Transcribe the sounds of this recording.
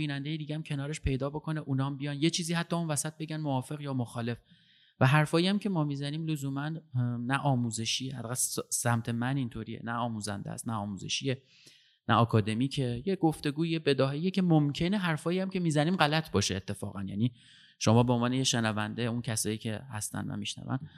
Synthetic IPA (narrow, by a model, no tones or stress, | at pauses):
iːnænd̪e̞jed̪iːɡææmcʲʰe̞nɒːɾe̞ʃpʰe̞jd̪ɒːbo̞kʰo̞ne̞ʔunɒːmbijɒːnjet͡ʃʰiːziːhæt̪ʰːɒːunvæsæt̪̚be̞ɟænmoɒːfe̞ɣjɒːmoxɒːle̞f | væɦæɾfɒːiæmcʰe̞mɒːmiːzæniːmlozuːmænːæʔɒːmuːze̞ʃiːehæt̪ːæɣæsæmt̪ʰe̞mænint̪ʰoɾiːḛnæɒːmuːzæ̰nd̪ḛæ̰st̪næɒːmuːzḛʃiːe̞ | nʔæ̰ɒːkʰɒːd̪e̞miːcʰejeɡ̥oft̪e̞ɡuːiebe̞d̪ɒːɦeijecʰemomcʰe̞neɦæɾfɒːjijæmcʲʰe̞miːzæniːmɢælæt̪ʰbɒːʃeːt̪ʰːe̞fɒ̰ːɣænjæ̰ni | ʃo̞mɒːbeonvɒːnejeʃenævænd̪euncʰæsɒːjiːcʰe̞hæ̰st̪æ̰nvæ̰miʃnæ̰væ̰n